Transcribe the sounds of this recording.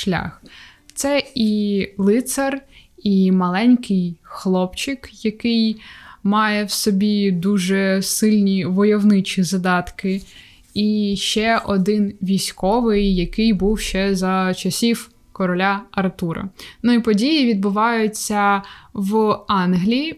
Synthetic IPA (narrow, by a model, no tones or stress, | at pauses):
ʃlʲa̰x | t̪sɛilˠɪt̪sɐrimɐlˠɛnʲkɪjxlˠɔpt͡ʃɪkjɐkɪjmɑjɛwsɔbʲid̪uʒɛsɪlʲnʲiʋɔjɔwnɪt͡ʃizɐd̪ɑt̪kɪ | iʃt͡ʃɛʔɔd̪ɪnʋʲijsʲkɔʋɪjːɐkɪjbuwʃt͡ʃɛzɐt͡ʃɐsʲiw | kɔɾɔlʲaɐrt̪uɾɐ̰nʊipɔdʲijiʋʲid̪bʊʋɑjʊt͡sʲːɐʋɑnɦlʲi